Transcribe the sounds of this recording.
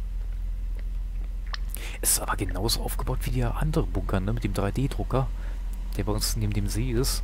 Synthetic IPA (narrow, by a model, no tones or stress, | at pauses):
ʔɛsa̰ːɐɡənaʊzoʔaʊfɡ̥əb̥aʊtv̥iːdiːɐʔa̰ndəʁənbʊŋkʰɐnəmɪt̚d̥eːmdʁaɪdeːdʁʊkɐ | d̥eːɐbaɪʊnsneːbm̩deːmzeːɪs